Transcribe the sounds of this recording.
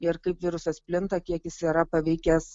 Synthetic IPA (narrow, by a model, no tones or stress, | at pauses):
ɪɾkɐɪpʋʲɪɾʊsɐspʲlʲɪnt̪ɐkʲiɛkʲjɪsiːɾɐpɐʋʲɛɪkʲɛs